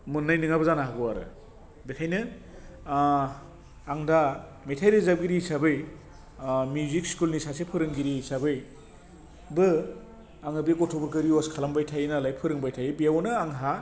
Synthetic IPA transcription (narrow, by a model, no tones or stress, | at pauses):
mɯnːajnɯŋabɯzanaɦaɡɔaɾɯ̰ | bekʰajnɯ | ŋdametʰajɾɯzab̚ɡiɾisabɯj | mjuzik̚skulnisasepʰɯɾɯŋɡiɾisabɯj | bɯ | aŋɯbiɡɔtʰɔbɔɾkɯɾiɔskʰalambajtʰajnalajpʰɯɾɯŋbajtʰajbijawnɯaŋɦa